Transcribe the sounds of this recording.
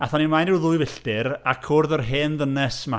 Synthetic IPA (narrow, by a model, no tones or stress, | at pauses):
aθɔnimajnɪwðʊɨvɪɬtɪɾakʰʊrðɔrɦeːnðənɛsma